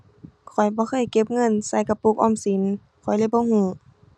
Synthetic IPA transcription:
kʰɔ˨˩jbɔː˧˦xʰɤː˧˩˨jke˧˥p̚ŋɤ˧˥˨nsa˧˥˦jka˧puː˧˩k̚ʔɔː˧˨msi˨˦n | kʰɔ˨˩jla˧˨jbɔː˧˦hũː˧˦

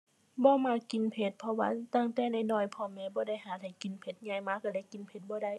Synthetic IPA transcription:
bɔː˧˦maː˧˩ki˨npʰe˧˦t̪̚pʰɔ˧wa̰ː˧t̪aː˧˨ŋt̪ɛː˧˩na˧˩jnɔː˧˩jpʰɔː˧mɛː˧bɔː˧˦da˧˥˨jhaː˨˩t̪ha˨˩jki˨˦npʰe˧˦t̪̚ɲaː˧˩jmaː˧˥kaː˧˩da˧˨jki˨˦npʰe˧˦t̪̚bɔː˧˦da˧˨j

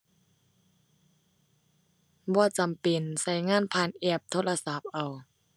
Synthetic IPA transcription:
bɔː˧˩˦t͡ɕa˨mpe˧˨nsa˧˩˦jŋaː˧˥˨npʰaː˧˨nʔɛː˧˩p̚t̪ʰo˧˥˩la˧sa˨˦p̚ʔa˨w

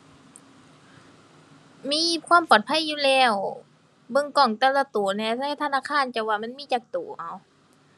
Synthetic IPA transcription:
miː˧˥˨kʰwaː˧˥˨mpɔː˨˩t̪̚pʰa˧˥˨jːuː˧˨lɛː˧˩w | bɤ˧˥˨ŋkɔː˧˨˩ŋt̪ɛ˧˩la˧˩t̪u˩˦ɐnɛː˧˩t̪ʰa˧˥˩t̪ʰa˧naː˧˥˨kʰaː˧˥˨nt͡ɕa˧˩waː˧˨ma˧˥˨nmiː˧˥˨t͡ɕaː˨˩k̚t̪u˨˩˦ʔa˨˦w

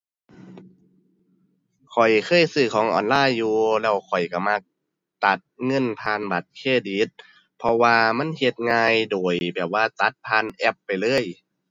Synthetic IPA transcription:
kʰɔ˨˩jkʰɤː˧˥˨jsɯː˧˩kʰɔː˨˦ŋʔɔ̰ː˨˩nlaː˧˥˨jːuː˧lɛː˧˩wkʰɔ˨˩jka˧˩ma˧k̚ | t̪a˨˦t̪̚ŋɤ˧˥˨npʰaː˧nba˨˦t̪̚kʰeː˧˩diː˨˦t̪̚ | pʰɔ˧waː˧ma˧˥˨nhe˧t̪̚ŋaː˧jdoː˨˩jbɛː˨˩p̚waː˧t̪a˨˧˦t̪̚pʰaː˧˥˨nʔɛ˧˩pːa˨˩jlɤː˧˥˨j

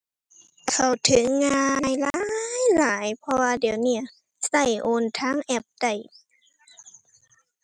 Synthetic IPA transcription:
kʰa˨˧˩wt̪ʰɯ˨˦ŋːaː˧jlaː˦jlaː˩˦jpʰɔ˧waː˧diː˨˩˦ə˦wni˧˩ɐ | sa˧˩jʔoː˧˩nt̪ʰaː˧˥˨ŋʔɛ˧˩p̚da˧˩j

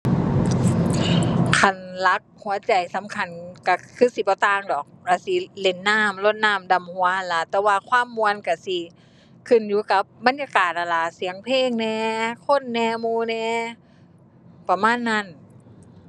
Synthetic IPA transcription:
kʰa˧˩nla˧˦˥k̚hu˨˦ɐ˦t͡ɕa˨˩jsa˨˦mkʰa˧˩nka˧˩kʰɯː˧˥˨si˧˦pɔː˧˦t̪aː˧˨ŋdɔː˨˩k̚la˧˩si˧˦le˧˩nːaː˧˥˩mlo˧˩t̪̚naː˧˥˩mda˨˩mhu˨˦ɐha˧˨˩nla˧˦t̪ɛː˧waː˧kʰwaː˧˥˨mːu˧ənka˧˩si˧˩ | kʰɯ˧˩njuː˧˦ka˧˦p̚ba˧˨njaː˧kaː˨˩t̪̚ʔa˨˧˩la˧˦si˨˦əŋpʰeː˧˥˨ŋnɛː˧kʰo˧˥˨nːɛː˧muː˧˥nɛː˧ | pa˧maː˧˥˨nːa˧˥˩n

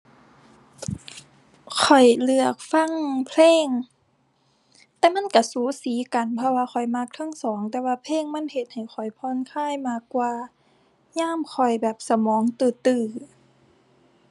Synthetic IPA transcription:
kʰɔ˨˩jlɯ˧˩ək̚fa˧˥˨ŋpʰleː˧˥˨ŋ | t̪ɛː˧ma˧˥˨nka˧˩suː˨˦siː˨˦ka˨˩npʰɔ˧waː˧xʰɔ˨˩jma˧˥˩k̚t̪ʰa˧˥˨ŋsɔː˩˦ŋt̪ɛː˧waː˧pʰleː˧˥˨ŋma˧˥˨nhe˧˩t̪̚ha˨˩jxʰɔ˨˩jpʰɔː˧˥˨nkʰaː˧˥˨jmaː˧˥˩kːwaː˧ | ɲaː˧˥˨mkʰɔ˨˩jbɛː˨˩p̚sa˧mɔː˨˦ŋt̪ɯː˧˩t̪ɯː˧˩

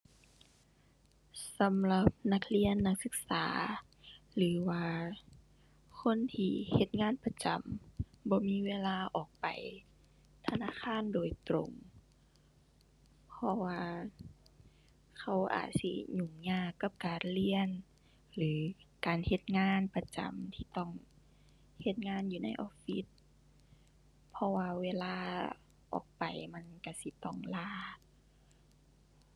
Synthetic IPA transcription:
sa˨˦mla˧˦p̚na˧˦k̚li˧˥ənːa˧˥k̚sɯ˧k̚saː˩˨˦ | lɯː˨˦waː˧ | kʰo˧˥˨nt̪ʰiː˧he˧t̪̚ŋaː˧˥˨npa˧t͡ɕa˨m | bɔː˧˦miː˧˥˨weː˧˥˨laː˧˩ʔɔː˨˩k̚pa̰˨˩j | t̪ʰa˧naː˧˥˨kʰaː˧˥˨ndoː˨˩jt̪ɾo̰˨˧ŋ | pʰɔ˧waː˧ | kʰa˧˩wʔa̰ː˨˩t̪̚sḭ˧ɲu˧˩ŋɲaː˧˩kːa˧˦p̚kaː˨˩nli˧ən | lɯː˨˦kaː˨nhe˧˦t̪̚ŋaː˧˥˨npa˧t͡ɕa̰˨˩mt̪ʰiː˧˦t̪ɔː˧˩ŋ | he˧t̪̚ŋaː˧˥˨njuː˧na̰˧˨jʔɔ̰ː˧pfi˧˦t̪̚ | pʰɔ˧waː˧weː˧laː˧ | ʔɔ̰ː˨˩k̚pa˨˩jma˧˨nka˧˩si˧˦t̪ɔ˧˩ŋlaː˧˩

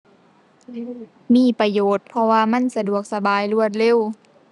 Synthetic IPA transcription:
miː˧˥˨pa˧joː˨˩t̪̚pʰɔ˧waː˧ma˧˥˨nsa˧du˨˩ək̚sa˧baː˨jlu˧˩ət̪̚le˧˥˨w

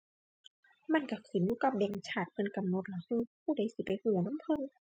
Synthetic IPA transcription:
ma˧˥˨nka˧˩kʰi˨˦njuː˧˦ka˧˩p̚dɛː˧˩ŋt͡ɕʰaː˧˩t̪̚pʰɤ˧˨nka˨mno˧˦t̪̚la˨˩˦hɯ˧˩pʰuː˧˩˨da˧˩˦jsi˨˧˦pa˨jhɯː˧˩˦nɔ˧˥˨mpʰɤ˧˥˨n

